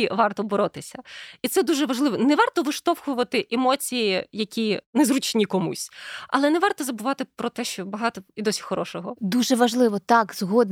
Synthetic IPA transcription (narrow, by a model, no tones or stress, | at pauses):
iʋɑrt̪ɔbɔɾɔt̪ɪsʲɐit̪sɛd̪uʒɛʋɐʒlˠɪʋɔnɛʋɑrt̪ɔʋɪʃt̪ɔwxʊʋɐt̪ɪʔɛmɔt͡sʲijijɐkʲinɛzɾʊt͡ʃnʲikɔmṵsʲɐ̰lˠɛnɛʋɑrt̪ɔzɐbʊʋɑt̪ɪpɾɔt̪ɛʃt͡ʃɔbɐɦɑt̪ɔid̪ɔsʲi̥xɔɾɔʃɔɦɔd̪uʒɛʋɐʒlˠɪʋɔt̪ɑkzɦɔd̪